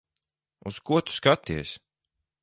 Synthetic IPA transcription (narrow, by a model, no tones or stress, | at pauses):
uskuɔt̪u̥skat̪ːiɛs